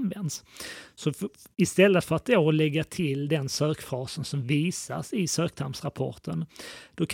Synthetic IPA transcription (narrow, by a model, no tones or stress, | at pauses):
nvɛnd̪ssɔ | ɪst̪ɛlːət̪fœɾat̪̚d̪oːlɛɡːat̪ʰɪld̪ɛnsøːkfɾɑːsənsɔmviːsa̰sɪsøːk̚t̪ʰampsɾapʰɔ̰ʈənd̪̥ɔkʰ